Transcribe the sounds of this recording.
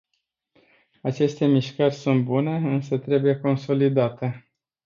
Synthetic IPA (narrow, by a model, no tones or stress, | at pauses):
at͡ʃe̞st̪e̞miʃkərʲsunt̪̚bune̞ɨnsət̪ɾe̞buje̞ko̞nso̞lid̪at̪e̞